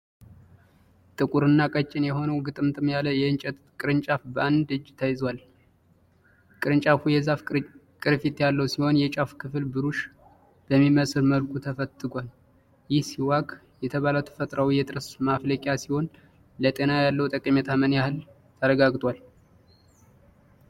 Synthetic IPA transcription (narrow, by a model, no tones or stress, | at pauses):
t̪ʼɨkʼuɾɨnːakʼət͡ʃʼːɪnjɛho̞nəwɡɨt̪ʼɨmt̪ʰʼɨmjalːəwjɛɨnt͡ʃʼɛt̪ | kʼɨɾɨnt͡ʃʼafbəand̪ɨd͡ʒːt̪ʰəjɪzwal | kʼɨɾɨnt͡ʃʼafujɛzafkʼɨɾfit̪jalːəwsiho̞njɛt͡ʃʼafkʰɨfɨlbɨɾuʃ | b̥əmːiməsɨɾməlkʰʼut̪ʰəfət̪ʼːɨɡʷal | jɪhsiwakʼ | jɛt̪ʰəβaləwt̪ʰə̥fət̪ʼɾawjɛt̪ʼɨɾəsmafləkʼjasiho̞n | lət̪ʼenajalːəwt̪ʼəkʼəmɛt̪ʰamənjahɨl | t̪ʰəɾəɡaɡt̪ʼwal